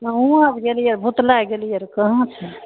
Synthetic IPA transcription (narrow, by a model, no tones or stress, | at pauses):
əũabɡelijəɾbʱut̪laɡelijəɾkəɦə̃t͡ʃʰɛ